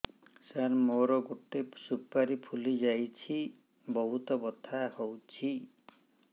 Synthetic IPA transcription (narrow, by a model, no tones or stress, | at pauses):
saɾmoɾɔɡoʈesupaɾipʰulid͡ʒajt͡ʃʰi | bɔɦut̪ɔbɔt̪ʰahowt͡ʃʰi